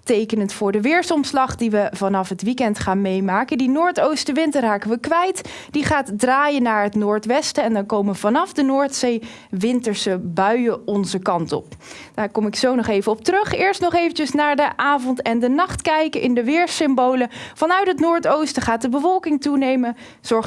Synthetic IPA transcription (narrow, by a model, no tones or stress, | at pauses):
tejkənəntfʊːɹdəʋɪːɹsɔmslɑχdiʋəv̥ɑnɑfɦətʋikɛntχaːnmejmaːkədinoːɹtowstəʋɪntərɦaːkənʋəkʋɛjt | d̥iχaːtdraːjənaːɹɦətnʊːɹtʋɛstəɛndɑnkowməəv̥ɑnɑfdənʊːɹtsej | ʋɪntəɹsəbœɥəɔnzəkɑntɔ̰p̚ | d̥aːɹkɔmɪksownɔχejvəɔp̚trɵχɪːɹstnɔχejvəncəsnaːɹdəʔaːvɔntɛndənɑχtkɛjkəʔɪndəʋɪːɹsɪmbowləv̥ɑnœɥtɦətnʊːɹtowstəχaːt̚dəbəvɔlˠkɪŋtunejmən | z̥ɔɹχ